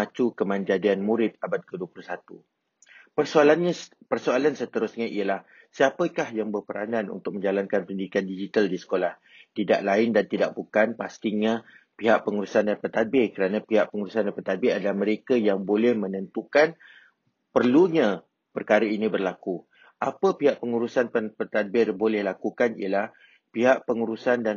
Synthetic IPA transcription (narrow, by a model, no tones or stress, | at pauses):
at͡ʃukəmãnd͡ʒadianmũɾɪt̪̚abat̪̚kəduəpluhsat̪u | pəsoalanɲa | pərsoalansət̪əɾʊsɲaʔiəlah | siapəkahjaŋbərpəɾa̰nanṵnt̪ʊk̚mə̃ɲd͡ʒalankanpəndiikandid͡ʒit̪aldisə̥kolah | t̪ida̰ʔlaɪndant̪idaʔ̚bukanpast̪iɲa | piɦaʔpəŋuɾusandanpət̪at̪̚bɪkəɾanãpiɦaʔpəŋuɾusandanpət̪abɪadalahməɾekajaŋbolɛhmə̃nənt̪ukan | pərluɲã | pərkaɾainĩbərlaku | ʔapəpiɦaʔpəŋuɾusanpənpət̪at̪̚bɪrbolɛhlakukanḭjəlah | piɦaʔpəŋuɾusanda